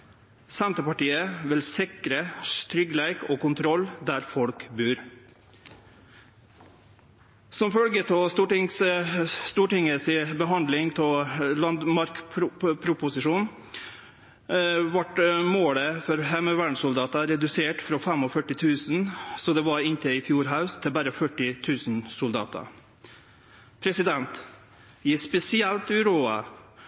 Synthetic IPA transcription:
sɛnt̪əpɑʈiːəʋɪlsɪkɾəst̪ʰɾʏɡəlæɪkɔːkʊnt̪ʰɾɔlːd̪æɾfɔlkbʉːɾ | sɔmfœlɡət̪ʰɔst̪uːʈɪŋsst̪uːʈɪŋəsɪbəɦɑnd̪lɪŋt̪ʰɔlɑnd̪mɑɾkpʰɾʊpʊsɪʂuːn | ʋɑʈmoːləfɔɾhɛmøʋæɳsʊld̪ɑːt̪ɑɾɛd̪ʉseːʈfɾɔfɛmɔfœʈːɪt̪ʰʉːsnsɔd̪ɛʋɑɾɪnt̪ʰəɪfjuːɾɦaʉst̪ʰɪlbæːɾəfœʈːɪt̪ʰʉːsn̩sʊld̪ɑ̰ːt̪ɑ̰ | pʰɾɛsɪd̪ɛnt̪ | ɪspɛsɪɛlt̪ʉːɾuːɑ̰

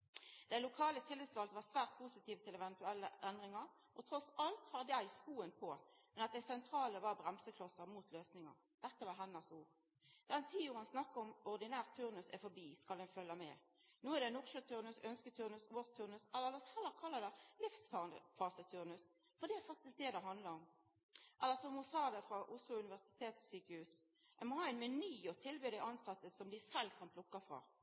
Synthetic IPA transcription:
d̪̥æɪlʊkʰɑːlət̪ʰɪlːəd̪sʋɑld̪əʋɑsʋæːʁt̪̚pʰusɪt̪iːʋət̪ʰɪlɛʋɛnt̪ʉɛlːəʔɛnd̪ʁɪŋɑɾ | ʔɔt̪ʰɾɔsɑlt̪hɑːd̪jæɪskuːənpʰɔ | mɛnɑt̪̚d̪æɪsɛnt̪ʰɾɑːləʋɑʁbɾɛmsəkʰlɔsəʁmuːt̪ʰløːsnɪŋɑ̰ʁ | d̪̥ɛt̪ːəʋɑɦɛnːəʁsuːʁ | d̪̥ɛnt̪ʰiːuːʁənsnɑkːəɔmɔʁd̪ɪnæːʁt̪ʰːʉʁnʉsɛ̰fɔbiːskɑlɛnfœlːəmɛ̰ː | nuːæd̪ɛnʊʁʃət̪ʰʉɾnʉsœnskət̪ʰʉɾnʉsoːst̪ʰʉɾnʉsɛlːəɾʋɑshɛlːəɾkʰɑlːɑd̪ɛlɪfsfɑʁnd̪ə̰fɑːsət̪ʰʉɾnʉs | fɔd̪ɛæɾfɑkt̪ɪsk̚d̪ɛd̪ɛɦɑnd̪lɑɾɔm | ʔɛlːəɾsɔmʊsɑːd̪ɛfɾɑʔʊslʊʉnɪʋæʁsɪ̥t̪ʰeːt̪ssyːkəhʉːs | æmɔhɑːɛɪnmɛnyːɔt̪ʰɪlbøːd̪ɛʔɑnsɑt̪ːəsɔmd̪ɪsɛlːkʰɑnpʰlʊkːɑfɾɑ̰ː

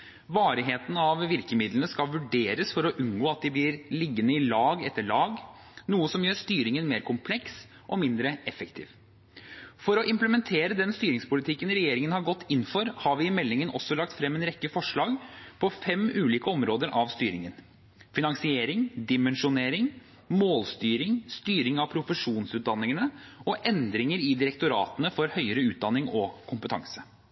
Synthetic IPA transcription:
ʋɑːɾɪɦeːt̪ən̩ɑʋʋɪɾkəmɪd̪lnəskɑlʋʉɖeːɾəsfɔɾɔʔʉnɡoːɑt̪̚d̪ɪblɪɾlɪɡːənəɪlɑːɡɛt̪ːəɭɑːɡ | nuːəsɔmjøːɾʂt̪yːɾɪŋənmeːɾkʰʊmpʰlɛks | ʔɔmɪnd̪ɾəɛfəkt̪ʰḭːʋ | fɔɾɔʔɪmpləmɛnt̪ʰeːɾəd̪ɛnst̪yːɾɪŋspʊlɪt̪ʰɪkːənɾɛjeːɾɪŋənhɑɾɡɔt̪ːɪnːfɔɾhɑɾʋɪɪmɛlːɪŋənʔɔ̰sːɔlɑkt̪fɾɛmːeːnɾɛkːəfɔʂɭɑːɡpʰɔfɛmʉːliːkəɔmɾoːd̪əɾʔɑʋst̪yːɾɪŋən | fɪnɑŋsɪeːɾɪŋd̪ɪmɛnʂʊneːɾɪŋ | moːlst̪yːɾɪŋst̪yːɾɪŋɑʋpʰɾʊfəʂuːnsʉːt̪̚d̪ɑnːɪŋənəɔʔɛnd̪ɾɪŋəɾɪd̪ɪɾɛkt̪ʊɾɑ̰ːt̪ənəfɔɾhœʏəɾəʉːt̪̚d̪ɑnːɪŋɔkʰʊmpət̪ʰɑ̰ŋsə̥

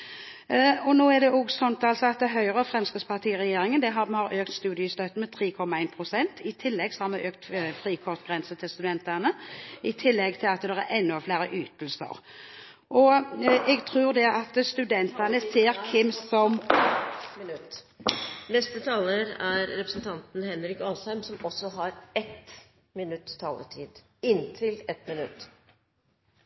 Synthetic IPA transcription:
ɔnoːɛd̪ɛɔɡsɔnt̪ɑlsɔɑt̪̚d̪ɛɦœʏʁəfʁɛmskɪspʰɑt̪ʰiːʁɛjeːɾɪŋənd̪ɛɦɑɛhɑɾøːkt̪st̪ʉːd̪ɪəst̪øt̪ːəmɛt̪ʰʁiːkʰɔmːɑæɪnpʰʁʊsɛnt̪ɪt̪ʰɪlːɛɡsɔhɑɾmɛʔøːkt̪fɾiːkʰɔʁt̪ɡʁɛnsət̪ʰɪlst̪ʉd̪ɛnt̪ɑnəɪt̪ʰɪlːɛɡt̪ʰɪlɑt̪d̪ɛʁæɛnːɔflæːɾəʔyːt̪əlsə̰ʁ | ʔɔɛɡt̪ʰʁʉːʁd̪ɛʔɑt̪st̪ʉd̪ɛnt̪ɑnəseːɾkʰɪmsɔm | mɪnʉt̪ː | nɛst̪ət̪ʰɑːləɾæɾɾɛpɾəsnt̪ʰɑnt̪n̩hɛnɾɪkɑːsæmsɔmɔsːɔɦɑɾɛt̪ | mɪnʉt̪ːt̪ʰɑ̰ːlə̰ʈʰḭːd̪ | ɪnt̪ʰɪlɛt̪mɪnʉt̪ː

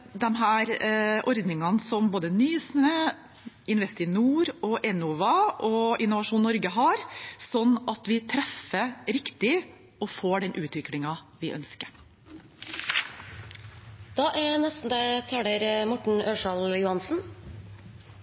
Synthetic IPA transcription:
d̪ɛmɦæːɾʔɔɾd̪nɪŋɑnsɔmboːd̪ənyːsnə | ɪnʋɛst̪ɪnuːɾɔʔɛnʊʋɑʔɔɪnːʊʋɑʂuːnːɔɾɡəɦɑɾsɔnːɑt̪ʋɪt̪ʰɾɛfːəɾɪkt̪ɪ | ɔfoːɖɛnʔʉːt̪ʋɪklɪŋɑʋɪʔœ̰nskəɾ | d̪̥ɑːʔæɾnɛst̪n̩d̪æt̪ʰæɖəɾmɔʈɳ̩øːʂɑljʊhɑnsn̩

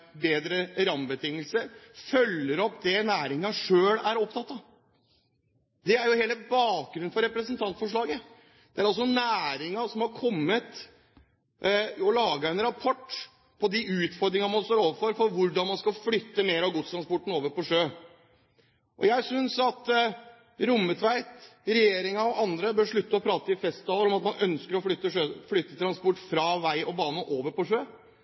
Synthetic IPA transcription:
beːd̪ɾəɾɑmbət̪ʰɪŋːəlsəɾfœlːəɾɔpːd̪ɛnæːɾɪŋɑʂøːlæɾɔpt̪ʰɑt̪ːɑ | d̪ɛæɾjʊheːləbɑːk̚ɡɾʉnfɔɾɛpɾəsənt̪ʰɑnt̪fɔʂɭɑːɡə | d̪̥ɛæɾɑls̬ɔnæːɾɪŋɑsɔmhɑɾkʰɔmːət̪ | ɔlɑːɡɑɛnɾɑpʰɔʈː | pʰɔd̪ɪʉːt̪fɔɾd̪ɾɪŋɑmɑnst̪oːɾoːʋəɾfɔɾfɔɾʋʊɖɑnmɑnskɑlflʏt̪ːəmeːɾɑʋɡʊt̪st̪ʰɾɑnspɔʈːn̩oːʋəɾpɔʂøː | ʔɔ̰jæɪsʏnsɑt̪ | ɾʊmːət̪ʰʋæɪt̪ɾɛjeːɾɪŋɑɔʔɑnd̪ɾəbøːɾʂɭʉt̪ːəɔpʰɾɑːt̪əɪfɛst̪ɑːləɾɔmɑt̪mɑnœnskəɾɔflʏt̪ːəʂøːflʏt̪ːət̪ʰɾɑnspɔʈːfɾɑʋæɪʔɔbɑːnəʔoːʋəɾpɔʂøː

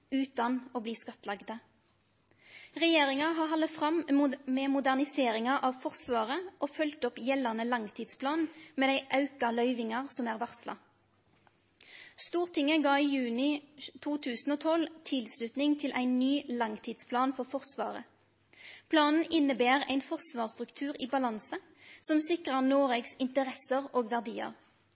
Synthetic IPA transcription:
ʉːt̪ɑnoːbliːskɑt̪lɑɡd̪ə | ʁɛjeːʁɪŋɑɦɑːɦɑləfʁɑmmeːmʊd̪æʁnɪseːʁɪŋɑʔɑʋfɔʁsʋɑːʁəʔoːfʉlt̪ɔpjɛlɑʁnəlɑŋt̪ʰiːd̪spʰlɑːnmeːd̪æɪʔɑʉkɑlœʏʋɪŋɑʁsɔmæːʁʋɑʁslɑ̰ | st̪uːʁt̪ʰɪŋəɡɑːiːjʉːnɪt̪ʰuːt̪ʰʉːsn̩oːt̪ʰɔlt̪ʰɪlslʉt̪nɪŋt̪ʰɪlʔæ̰ɪnnyːlɑŋt̪ʰiːd̪spʰlɑːnfɔʁfɔʁsʋɑ̰ːʁə̰ | pʰlɑːnn̩ʔɪnəbeːʁæ̰ɪnfɔʁsʋɑːʁst̪ʁʉkt̪ʰʉːʁiːbɑlɑnsə | sɔmsɪkʁəʁnoːʁeːɡsɪnt̪əʁɛsəʁoːɡʋæʁd̪iːə̰ʁ

